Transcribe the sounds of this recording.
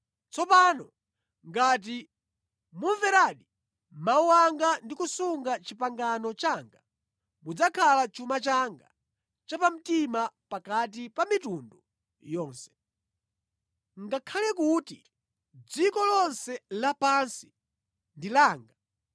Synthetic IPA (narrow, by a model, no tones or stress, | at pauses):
t͡sɔpanɔ | ŋɡat̬i | muɱvɛɾaːɗi | mawaŋɡandikusuŋɡat͡ʃipaŋɡanɔt͡ʃaŋɡa | mud͡zakʰalat͡ʃumat͡ʃaŋɡa̰ | t͡ʃapam̩timapakat̬ipamitundu | jɔːnsɛ̥ | ŋɡakʰalɛkuti | d͡zikɔlɔnsɛlapansi̥ | ndilaːŋɡa